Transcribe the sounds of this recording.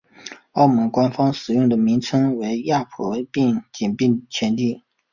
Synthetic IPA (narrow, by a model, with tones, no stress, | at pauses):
ɑ˥˩ʊmɤ˧˥ŋkwa˥nfɑ˥ŋʂɻ̩˨˩jʊ˥˩ŋd̪ə˩mi˧˥ŋt͡sʰɤ˥ŋwe˧˥ɪja˥˩pʰɔ˧˥pi˥˩ŋt͡ɕi˨˩npi˥˩ŋt͡ɕʰjɛ˧˥nt̪i˥˩